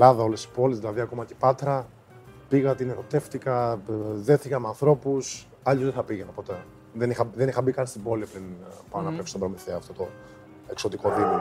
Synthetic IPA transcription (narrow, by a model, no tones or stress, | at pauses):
lɐðɐo̞lesi̥po̞lizðilɐðiɐko̞mɐcepɐt̪ɾɐ | piɣɐt̪ineɾo̞t̪e̞ft̪ikɐðe̞θikɐmeɐnθɾo̞pus | ɐʎuzðeθɐpiʝenɐpo̞t̪e̞ | ðenixɐðenixɐbikɐnst̪ibo̞lipɾinpɐnɐpefst̪obɾomiθeɐft̪o̞t̪o | ekso̞t̪iko̞ðimo